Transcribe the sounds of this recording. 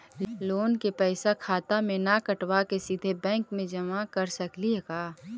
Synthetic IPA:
loːnkepɛɪsakʰaːt̪amẽnakəʈwakesid̪ʱebɛ̃ːŋkmẽd͡ʒɐmakɐɾsɐkliɦɛkaː

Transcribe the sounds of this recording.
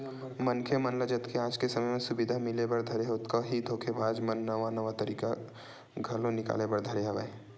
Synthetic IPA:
mənkʰemɐnləd͡ʒət̪kʰeaːd͡ʒkesɐməjmẽsʊbɪd̪ʱamɪlebɐɾd̪ʱɐɾeɦoːt̪koɦid̪ʱoːkʰebaːd͡ʒmənːɐʋanəʋat̪ɐɾiːka̰ | ɡʱɐlõnɪka̰ːlebəɾd̪ʱɐɾeaʋa̰e

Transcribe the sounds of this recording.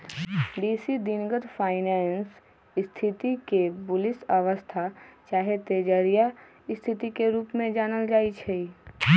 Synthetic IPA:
ɖiːsid̪inɡəd̪fʰaːɪnɛːns | ɪst̪ʰɪt̪ikebʊlɪsɐʋəst̪ʰat͡ʃaːɦet̪eːd͡ʒəɾija | ɪst̪ʰɪt̪ikeɾuːpmẽd͡ʒaːnəld͡ʒaːit͡ʃʰɛi

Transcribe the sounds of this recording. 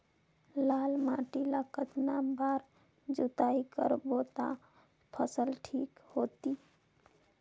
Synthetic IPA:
lalmãʈilakət̪nabaɾ | d͡ʒut̪aikə̰ɾbot̪a̰ | pʰəsəlʈʰikhot̪i

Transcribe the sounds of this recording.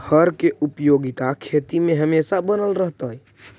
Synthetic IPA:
həɾkeʔupjoɡit̪akʰet̪imẽɦəmesabənəlɾəɦt̪əj

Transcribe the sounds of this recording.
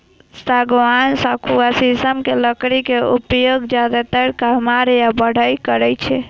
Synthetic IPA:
saɡʋansakʰuasisəmkeləkɾikeupjoɡd͡ʒjad̪at̪əɾkəɦmaɾjabəɽ̤əjkəɾɛt͡ʃʰɛ

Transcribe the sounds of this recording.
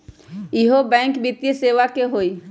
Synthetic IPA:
ɪɦobɛ̃ːŋkbɪt̪jəseʋakeɦoi

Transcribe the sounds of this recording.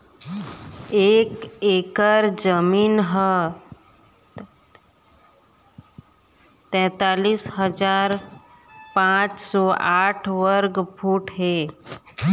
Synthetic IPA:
eːkeːkəɾd͡ʒəmiːnɦə | t̪ɛ̃ːt̪aːliːsɦəd͡ʒaːɾ | pãːt͡ʃsɔʔaːʈʰʋəɾɡbʱuːʈɦeː

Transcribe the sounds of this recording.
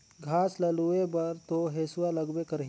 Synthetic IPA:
ɡʱaːslɐluebɐɾt̪oɦeːsʊwalɐɡbekəɾɦ

